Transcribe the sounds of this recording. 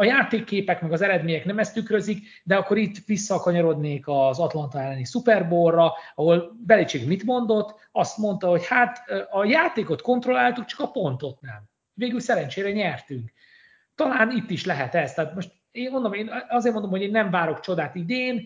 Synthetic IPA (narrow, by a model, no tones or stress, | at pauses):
ɒjaːt̪eːkːeːpɛkmɛɡɒzɛɾɛd̪meːɲɛknɛmɛst̪ykrɾø̞zik | d̪ɛɒkːo̞ɾit̪ːʋisːɒkɒɲɒɾo̞d̪neːkɒzɒt̪lɒnt̪ɒɛlːɛnisupɛrborːɒɒɦo̞lbɛlit͡ʃeːɡmit̪mo̞nd̪o̞t̪ː | ɒst̪mo̞nt̪ɒho̞chat̪ːɒjaːt̪eːko̞t̪ko̞nt̪ro̞lːaːlt̪uk̚t͡ʃɒ̥kɒpo̞nt̪o̞t̪nɛ̰m | veːɡylsɛɾɛnt͡ʃeːɾɛɲɛrt̪yŋk | t̪ɒlaːnit̪ːiʃlɛɦɛt̪ɛst̪aːt̪mo̞ʃt̪ | eːnmo̞nd̪omeːnɒzeːrmond̪omho̞ɟeːnːɛɱvaːɾo̞kt͡ʃo̞d̪aːt̪id̪eːn